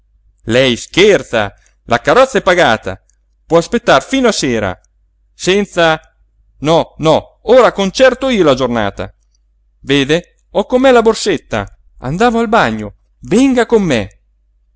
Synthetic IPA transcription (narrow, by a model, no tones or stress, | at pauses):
lɛjskert̪sa̰ | lʔakaɾɔt̪sːaɛpːaɡaːt̪a̰ | pwɔaspet̪ːarfiːnoaseːɾa̰ | sɛnt̪sa | nɔnɔ | oːɾakont͡ʃɛrt̪oiːolad͡ʒorna̰ːt̪a̰ | veːd̪e | ɔkːomːɛlaborset̪ːa̰ | a̰nd̪aːvoalbaɲːo | vɛŋɡakomːe